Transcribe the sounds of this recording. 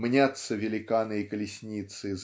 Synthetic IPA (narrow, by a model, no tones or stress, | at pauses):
mnʲat̪sːəvʲɪlʲɪkanɨjəkəlʲɪsʲnʲit̪sɨz